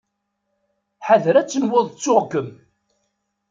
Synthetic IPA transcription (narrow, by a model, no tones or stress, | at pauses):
ħaðɾæt͡sːənwʊðˤt͡sːʊʁɡəm